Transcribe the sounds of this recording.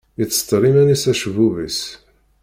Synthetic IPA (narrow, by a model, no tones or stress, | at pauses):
it͡sːə̥t̪ˤːɾˤimænisæʃvuvis